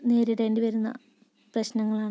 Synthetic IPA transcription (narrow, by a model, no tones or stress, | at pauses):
ne̞ːɾiɽɐeːndiʋɐɾunːɐ̰ | prɐɕnɐŋːɐɭaːɳɨ